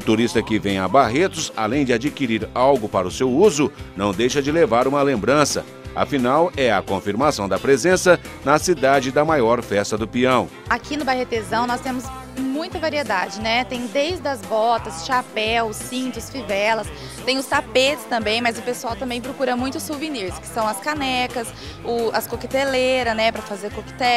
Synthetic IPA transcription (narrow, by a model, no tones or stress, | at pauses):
ʊt̪uɾist̪ɐkɪvẽj̃abaɦet̪ʊsa̰lẽj̃d͡ʒɪad͡ʒikiɾiɾawɡʊpaɾɐʊsewuzʊnɐ̃w̃d̪ejʃɐd͡ʒɪlevaɾũmɐlẽmbɾɐ̃sɐ̰ | ɐ̰finawɛɐkõfiɾmasɐ̃w̃d̪ɐpɾezẽsɐnɐsid̪ad͡ʒɪd̪ɐmajɔɾfɛst̪ɐd̪ʊpiɐ̃w̃ | akʰinʊbahet̪ezɐ̃w̃nɔst̪ẽmʊs | mũj̃t̪ɐvaɾied̪ad͡ʒɪnɛt̪ẽj̃d̪ejzd̪ɐzbɔt̪ɐsʃapɛwsːĩnt̪ʊsfivɛlɐs | t̪ẽj̃ʊst̪apet͡ʃɪ̥st̪ɐ̃mbẽj̃mɐzʊpesuawt̪ɐ̃mbẽj̃pɾokuɾɐmũj̃t̪ʊsuvĩniɾskɪ̥sɐ̃w̃ɐskanɛkɐs | ʊɐskokɪt̪eleɾɐnɛpɾɐfazeɾkokɪ̥t̪ɛ